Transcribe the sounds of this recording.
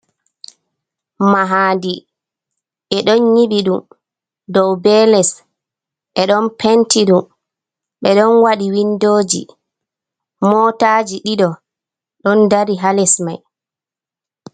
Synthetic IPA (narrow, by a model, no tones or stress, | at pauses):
maɦaːndi | ʔɛɗɔnɲiɓiɗum | dɔwbɛlɛs | ɓɛɗɔnpʰɛntiɗum | ɓɛɗɔnwaɗiwindoːd͡ʒḭ | mɔtaːd͡ʒiɗiɗɔ | ɗɔndaɾiɦalɛsmaj